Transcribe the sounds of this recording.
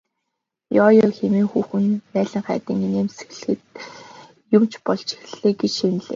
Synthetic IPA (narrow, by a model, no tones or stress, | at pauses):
jɔːjɔːxemiːŋxuːxɘ̆npæːɮə̆ŋχæ̰ːt̪iːŋineːmsɘ̥̆ɣɮ̆xɘ̆t̪̚ | jʊmt͡ɕʰpɔɮt͡ɕi̥xɘ̆ɮeːɡet͡ɕʃenɮḛː